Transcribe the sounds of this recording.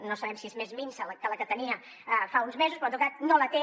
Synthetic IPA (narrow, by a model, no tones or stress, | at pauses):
nosɐβɛmsiezmezminsəlkələkət̪əniə | faunzmezuspɾõant̪ukat̪nolət̪e